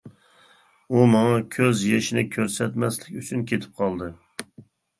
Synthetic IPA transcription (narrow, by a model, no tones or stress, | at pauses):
umɑŋɑkʲʰøzjeʃɪnɪkʲʰøɾsɛt̪mɛslɪkʲyt͡ʃʰynkʲʰet̪ʰɪ̥p̚qʰɑlˠd̪ɨ